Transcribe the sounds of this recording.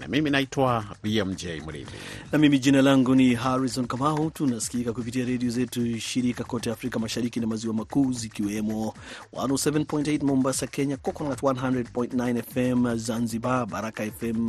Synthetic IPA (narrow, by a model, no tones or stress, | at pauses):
na̰miminaitwabiɛm̩d͡ʒɛjmṵɾḭðḭnamimiʄinalaŋɡuniɦaɾizɔnkamautunasi̥kikakupitiaɾɛdiɔzɛtuʃiɾikakɔtɛafɾikamaʃaɾikinamaziwamakuːzikiwɛmɔwa̰nosɛvɛnpɔjntejtmɔmbasakɛɲakɔkɔnatwanɦãndɾɛd̚pɔj̃ntnajnɛfɛmzanzibabaɾakaɛfɛm